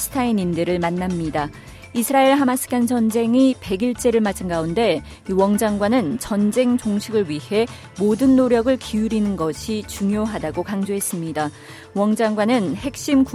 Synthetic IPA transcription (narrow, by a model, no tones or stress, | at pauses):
sʰɯ̥tʰainindɯɾɯɭmanːamɲida | isʰɯɾaeɭɦamasʰɯ̥k͈ant͡ɕʌnd͡ʑe̞ŋipe̞ɡiɭt͡ɕ͈e̞ɾɯɭmat͡ɕʰɯnɡaunde̞ | iwʌŋd͡ʑaŋɡwanɯnt͡ɕʌnd͡ʑe̞ŋt͡ɕoŋɕʰiɡɯɭɥihe̞ | modɯnːoɾjʌɡɯɭkʰiuɾinɯnɡʌɕʰit͡ɕuŋjoɦadaɡokaŋd͡ʑoɦe̞s͈ɯmɲida | wʌŋd͡ʑaŋɡwanɯnhe̞k̚ɕ͈imk